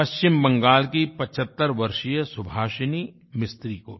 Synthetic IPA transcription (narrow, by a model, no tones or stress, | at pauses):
pɐʃt͡ʃɪmbɐ̃ŋɡaːlkipɐt͡ʃʰət̪ːəɾʋɐɾʃijəsʊbʱaːʃəni | mɪst̪ɾiːko̰ː